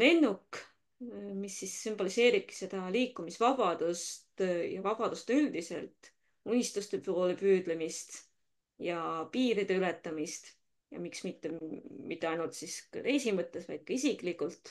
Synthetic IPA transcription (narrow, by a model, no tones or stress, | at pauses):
le̞nːuk | misːisːymb̥olise̞ːɾib̥̚ki̥se̞d̪̥ɑliːkːˑumisvɑb̥ɑd̪̥ust̪jɑvɑb̥ɑd̪̥ust̪yld̪̥ise̞̰lt̪ˑ | unʲist̪ust̪epoːlepyːd̪̥le̞mist̪ | jɑpiːɾid̪̥e̞yle̞t̪ːˑɑmist̪ | jɑ̰miksmit̪ːemit̪ˑːe̞ɑjnult̪siskɑ̰ɾe̞jsimɤt̪ˑːe̞svɑ̰jd̪̥̚kɑisikˑlikːult̪ˑ